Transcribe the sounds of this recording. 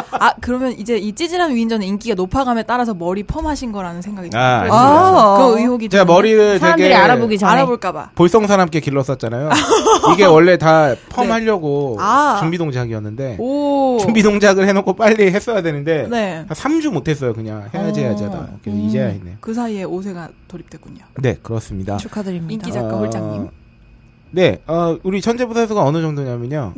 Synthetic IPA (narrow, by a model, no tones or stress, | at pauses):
akɯɾʌmjʌnid͡ʑe̞it͡ɕ͈id͡ʑiɾanɥiːnd͡ʑʌneink͈iɡanopʰaɡamet͈aɾas̬ʰʌmʌɾipʰʌmɦaɕʰinɡʌɾanɯnsʰe̞ŋɡaɡitaa̰ | kɯɯioɡit͡ɕeɡamʌɾiɾɯɭʰeamɡeɾiaɾaboɡid͡ʑaaɾaboɭk͈aba̰poɭs͈ʌŋsʰaɾamk͈ekiɭːʌs͈ʌt̚t͡ɕ͈anajoiɡe̞wʌɭːe̞tapʰʌmhaʎːʌɡoat͡ɕumbidoŋd͡ʑʰaɡiʌnːɯnde̞ot͡ɕumbidoŋd͡ʑaɡɯɭhe̞nokʰop͈aʎːiɦe̞s͈ʌjadwe̞nɯnde̞neasʰamd͡ʑumotʰe̞s͈ʌjokɯɲaŋhejad͡ʑejad͡ʑiada̰kɯesʰʌid͡ʑejaɦenːejokɯsʰaieos̬ʰe̞ɡatoɾip̚t͈wek͈uɲane̞̰kɯɾʌs͈ɯmɲida̰t͡ɕʰukʰadɯɾimiid͡ʑaabɭt͡ɕ͈aim | ne̞ʌuɾit͡ɕʰʌnd͡ʑebusʰasʰoɡaʌnɯd͡ʑʌŋdoɲamjʌɲo